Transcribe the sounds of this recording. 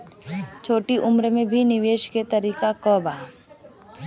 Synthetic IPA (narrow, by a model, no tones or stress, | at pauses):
t͡ʃʰoːʈiʔʊmɾəmẽbʱinɪʋeːʃket̪əɾiːkakɔːba